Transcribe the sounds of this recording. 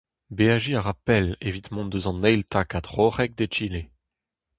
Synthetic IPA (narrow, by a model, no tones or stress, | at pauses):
beaʒiaʁapɛlevit̪mɔ̃nd̪øzɑ̃nɛjlt̪ʰakad̪ʁoʁɛk̚d̪et͡ʃile